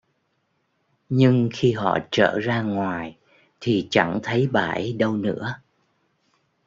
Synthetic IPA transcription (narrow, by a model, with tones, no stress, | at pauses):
ɲɨ˧ŋxi˧ɦɔ̰˧˨t͡ɕə̰ː˧˩zaː˧ŋwaː˨˩j | t̪ʰi˨˩t͡ɕa˧˩ŋt̪ʰə˨˦jɓaː˧˩jɗə˧wnɨ̰˧˥ə